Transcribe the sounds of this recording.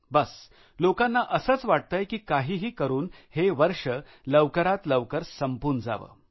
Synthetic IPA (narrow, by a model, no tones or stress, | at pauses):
bəs | lokanːaʔəsəːt͡sʋaʈ̚t̪əjkiːkaɦiːɦiːkəɾuːnheʋəɾʂə | ləʋkəɾat̪ləʋkəɾsəmpuːɾɳd͡za̰ʋə̰ː